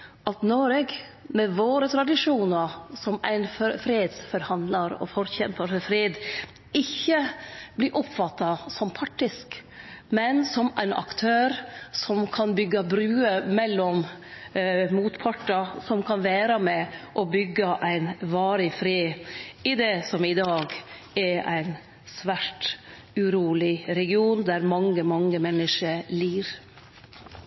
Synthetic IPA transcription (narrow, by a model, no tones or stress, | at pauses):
ʔɑt̪nɔɾɛɡ | mɛʋoːɾət̪ʰɾɑd̪ɪʂuːnɑɾsɔmæ̰ɪnffɾed̪sfɔɾhɑnd̪lɑɾɔ̰fɔɾçɛmpəɾfɾeːd̪ | ɪçːəblɪɾʔɔpfɑt̪ːɑsɔmpʰɑʈːɪskmɛnsɔmæɪnʔɑ̰kt̪ʰøːɾsɔmkʰɑnbʏɡːɑbɾʉːəmɛlːɔm | muːt̪pʰɑʈːɑsɔmkʰɑnʋæːɾɑmɛʔɔbʏɡːɑʔæɪnʋɑːɾɪfɾiːɪd̪ɛːsɔmɪd̪ɑːɡ | ɛɾæɪn | sʋæːʈ | ʉɾuːlɪɾɛɡɪuːnd̪æɾmɑŋːəmɑŋːəmɛnːəʂəliːɾ